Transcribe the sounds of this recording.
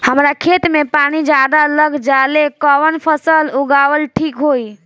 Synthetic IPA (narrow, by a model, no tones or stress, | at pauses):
həmɾakʰet̪mepaɽ̃id͡ʒad̪aləɡd͡ʒalekəʋənpʰəsəluɡawəlʈʰikɦoi